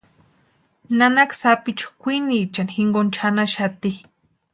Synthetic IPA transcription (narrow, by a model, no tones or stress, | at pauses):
nanaksapit͡ʃu̥kʷinit͡ʃanxiŋɡont͡ʃʰanaʃat̪i